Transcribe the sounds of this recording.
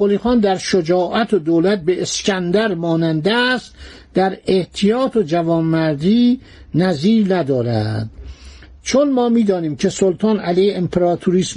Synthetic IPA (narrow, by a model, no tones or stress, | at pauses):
oliːxɑːnd̪æɾʃod͡ʒɒːʔæt̪ʰod̪oːlæt̪̚beʔescʲænd̪æɾmɒːnænd̪æst̪ | d̪æɾeht̪ʰijɒːt̪ʰod͡ʒævɒːmːæɾd̪iː | næziːɾnæd̪ɒːɾæ̰d̪̥̚ | t͡ʃʰonmɒːmiːd̪ɒːniːmkʰesolt̪ʰɒːnælejhempʰeɾɒːt̪ʰuɾiːs